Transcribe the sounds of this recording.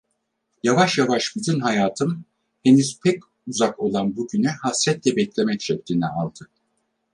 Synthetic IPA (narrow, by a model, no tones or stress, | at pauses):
javaʃjavaʃbizinɦajaːt̪ʰɯm | he̞nyz̥pʰɛc | uzako̞lˠanbuɟynɛhasɾɛt̪lʲɛbɛclʲemɛtʃʰɛp̚t̪ʰʲinɛalˠd̪̥ɯ